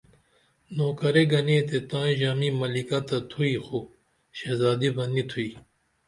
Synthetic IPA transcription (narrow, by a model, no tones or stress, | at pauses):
noːkɐɾeɡɐnẽːt̪et̪ãːʑaːmimɐlikɐt̪ɐt̪ʰuixo | ɕezaːd̪ibɐnit̪ʰuiː